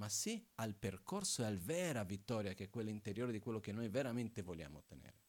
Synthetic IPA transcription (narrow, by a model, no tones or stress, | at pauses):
masialperkorsoɛalvɛːɾavit̪ːɔːɾjakeɛkːwelːaint̪eɾjoːɾed̪ikwelːok̟enːojveɾament̪evolja̰ːmo̰t̪ːenḛːɾe